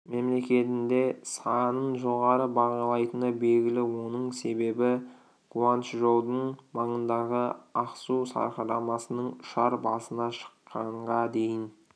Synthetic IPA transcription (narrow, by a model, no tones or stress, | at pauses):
me̞mle̞kʲe̞t̪ɪnd̪e̞sɑnənʒo̞ʁɑɾəbɑʁɑlˠɑjt̪ənəbe̞lɡʲɪlɪwo̞nəɴse̞be̞bɪ | qʰuanʃʒolˠd̪əɴmɑɴənd̪ɑʁəɑqsusɑ̰ɾqɑɾɑmɑsənəɴʊ̥ʃɑɾbɑ̰sənɑʃə̥qʰːɑɴʁɑd̪e̞jɪn